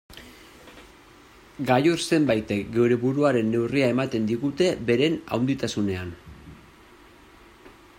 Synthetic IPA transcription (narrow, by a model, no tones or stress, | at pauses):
ɡajoɾse̞mbajt̪e̞kɡe̞wɾe̞βuɾuaɾe̞nːe̞wriae̞mat̪e̞nd̪iɣut̪e̞be̞ɾe̞na̰wnd̪it̪asune̞an